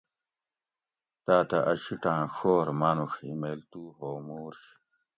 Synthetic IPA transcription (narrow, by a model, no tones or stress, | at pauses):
t̪aːt̪ɐʔɐɕiʈãːxoːɾmanuxḭmeːlt̪uːɦoːmuːɾɕ